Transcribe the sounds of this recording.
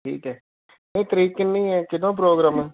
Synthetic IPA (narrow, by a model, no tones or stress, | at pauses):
ʈʰḭːkɦɛː | met̪əɾiːkenĩĩːɛːkɪd̪õːp̬ɾoːɡɾaːmɛː